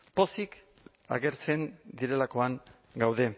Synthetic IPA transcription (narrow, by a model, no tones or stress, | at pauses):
po̞sik | a̰ɣe̞ɾt͡se̞nd̪iɾe̞lako̞aŋ | ɡawðe̞